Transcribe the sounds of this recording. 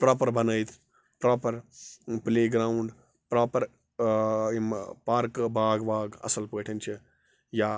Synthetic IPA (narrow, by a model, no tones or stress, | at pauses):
pɾaːpɐɾbɐnɐjt̪ʰ | pɾaːpɐɾpleːɡɾaːuɳɖ | pɾaːpɐɾ | impaːɾkbaːɡbaːɡɐ̰sɐlpɐɐʈʰɐnt͡ʃʰi | jaː